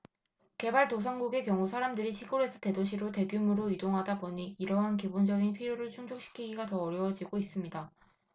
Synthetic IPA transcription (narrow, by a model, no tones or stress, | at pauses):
ke̞baɭtosʰaŋɡuɡe̞kjʌŋusʰaɾamdɯɾiɕʰiɡoɾe̞sʰʌte̞doɕʰiɾote̞ɡjumɯɾoidoŋɦadaboɲiːɾʌɦankibond͡ʑʌɡinpʰiɾjoɾɯɭt͡ɕʰuŋd͡ʑʰok̚ɕ͈i̥kʰiɡiɡatʌːɾjʌwʌd͡ʑiɡois͈ɯmɲida